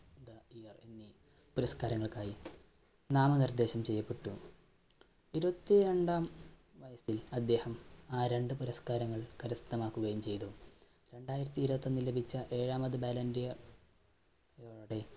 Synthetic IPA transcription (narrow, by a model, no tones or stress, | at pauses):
d̪ɐijɐrenːi | puɾɐskaːɾɐŋːɐɭkaːji | naːmɐnird̪e̞ːɕɐmt͡ɕe̞jːɐpːe̞ʈːu | iɾubɐt̪ːie̞ɳɖaːm | ʋɐjɐsilɐd̪ːe̞ːhɐmaːɾe̞ɳɖɨpuɾɐskaːɾɐŋːɐɭkɐɾɐst̪ːɐmaːkːuɣɐjumt͡ɕe̞jt̪u | ɾe̞ɳɖaːjiɾɐt̪ːiiɾubɐt̪ːonːilebʱit͡ɕːɐʔe̞ːɻaːmɐðɨbeːlɐndijɐr | joɻɐɽe